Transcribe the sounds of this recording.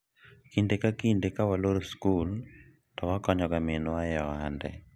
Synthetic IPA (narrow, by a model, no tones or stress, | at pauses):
kindekakindekawaloɾoskul | tɔwakɔɲɔɡamenwajɔandɛ̰